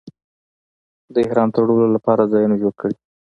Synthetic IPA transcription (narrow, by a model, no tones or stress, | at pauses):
d̪əɪhɾɑnt̪əɾɽololapɑɾazɑjunoʒoɽkəɽi